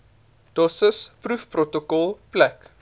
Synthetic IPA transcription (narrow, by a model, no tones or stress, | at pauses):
d̥ɔsəsprufprɔtokɔlplɛk